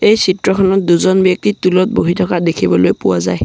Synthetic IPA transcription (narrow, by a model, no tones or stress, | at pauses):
ejsitɹɔkʰɔnɔt̚duzɔnbjɔk̚titulɔt̚boɦitʰɔkadekʰibɔlojpʊwazaj